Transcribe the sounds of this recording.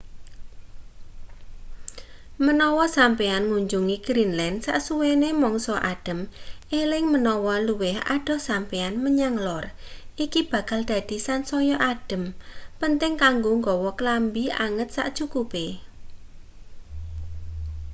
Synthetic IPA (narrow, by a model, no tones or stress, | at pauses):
mənɔwɔsampeanŋuɲd͡ʒuŋiɡ̥ɾinlɛndsa̰ʔsuwenemɔŋsɔʔaɖ̥ə̤melɪŋmənɔwɔluwɪha̰ɖ̥ɔ̤sampeanməɲaŋlɔrʔikib̥a̤kald̪̥a̤d̪̥i̤sansɔjɔʔaɖ̥ə̤mpənt̪ɪŋkaŋɡoŋɡɔwɔkəlambiʔa̰ŋət̪̚sa̰ʔt͡ʃukupe